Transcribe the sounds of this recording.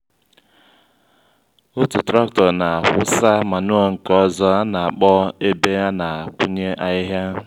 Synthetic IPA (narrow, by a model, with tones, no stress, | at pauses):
ʊ˦tu˨tɾa˦ktɔ˨na˨a˨hʊ˦sa˦ma˨nʊ˦ɔ˨ŋ̩˨kɔ˦zɔ˦a˦na˨a˨k͡pɔ˦e˦be˦ja˦na˨a˨k͡pʊ˦ɲe˦ʔa˨ɪ˦ɦja˦